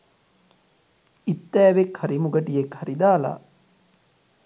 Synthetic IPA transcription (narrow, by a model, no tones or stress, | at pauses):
it̪ːɛːʋekhɐɾimuɡɐʈijekhɐɾid̪aːla̰